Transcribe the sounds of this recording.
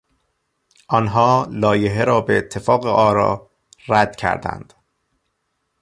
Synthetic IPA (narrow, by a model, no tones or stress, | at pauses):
ʔɒnɦɒːlɒːjeɦeɾɒːbeet̪ʰːe̞fɒːɣeʔɒːɾɒ̰ː | ræd̪̥cʰæ̰ɾd̪æ̰nd̪̥